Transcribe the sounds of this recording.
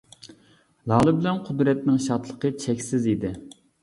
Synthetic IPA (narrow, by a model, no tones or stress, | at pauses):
lˠɑːlˠɨbɪlɛnqʰʊd̪ɾɛt̪nɪŋʃɑt̪lˠəqət͡ʃʰɛkʲsɪzid̪ɪ